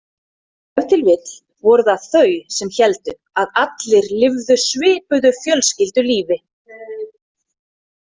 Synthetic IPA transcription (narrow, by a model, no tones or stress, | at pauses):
ɛvt̪ʰɪlvɪt̪l̥ | vɔɾʏðaθœːɥsɛmçɛlt̪ʏ | aðat̪lɪɾlɪvðʏsvɪːpʏðʏfjœlscɪlt̪ʏliːvɪ